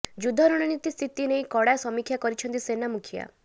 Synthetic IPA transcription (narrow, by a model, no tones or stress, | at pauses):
d͡ʒud̪ʱɔɾɔɽ̃ɔnit̪ist̪ʰit̪inejkɔɽasɔmikʰjakɔɾit͡ʃʰɔnt̪isenamukʰija̰